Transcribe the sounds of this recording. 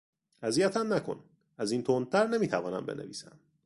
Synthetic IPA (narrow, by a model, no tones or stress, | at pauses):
æziːjæt̪ʰænnækʰo̞̰n | æziːnt̪ʰoːnt̪ʰæɾne̞miːt̪ʰævɒːnæ̰mbe̞̰nʔe̞̰vḭːsæ̰m